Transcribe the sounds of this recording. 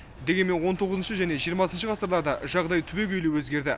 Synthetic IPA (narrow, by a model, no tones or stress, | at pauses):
d̪e̞ɡʲenme̞nwo̞nt̪ʰo̞ʁəzənʃəʒæne̞ʒijəɾmɑsənʃəʁɑsəɾlˠɑɾd̪ɑʒɑʁd̪ɑjt̪ʰʏbe̞ɡʲʰɵjluwwɵzɡʲe̞ɾd̪ɪ